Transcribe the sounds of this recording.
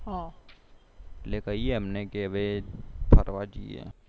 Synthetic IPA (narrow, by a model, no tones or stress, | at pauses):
ɦã | leːkəjeɦəmneɡeʋep̪ʰəɾʋad͡ʒḭḛː